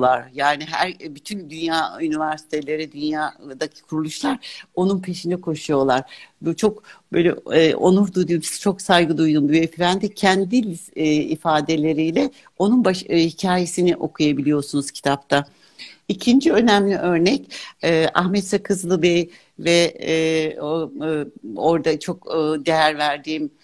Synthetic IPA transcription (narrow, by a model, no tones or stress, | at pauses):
lˠaɾ̥jaːniɦæ̰ɾbyt̪ʰynd̪ynjaːynivæɾsi̥t̪ʰe̞lʲe̞ɾɛd̪ynjaːd̪acʰi̥kʰuɾulˠuʃlˠaɾo̞nunpʰe̞ʃind̪ɛkʰo̞ʃujo̞lˠaɾ̥but͡ʃʰo̞kbøjlʲɛ̰ʔo̞̰nuɾd̪ujd̪umisɛ̥t͡ʃʰo̞ksajɡɯd̪ujd̪umd̪ujefiɾænd̪ɛcʰɛnd̪ilʲḭfaːd̪e̞lʲe̞ɾijlʲɛ | o̞nunbaʃhicʰaːje̞siniʔo̞kʰujabilʲijo̞sunuz̥cʰi̥t̪ʰapt̪ʰa | icʰind͡ʒiø̞næmlʲiʔø̞ɾnɛcɛːʔa̰xmɛt̪sɛkʰɯzlˠɯbɛj | vɛ | o̞ɾd̪at͡ʃʰo̞kːd̪e̞jæɾvæɾd̪iːm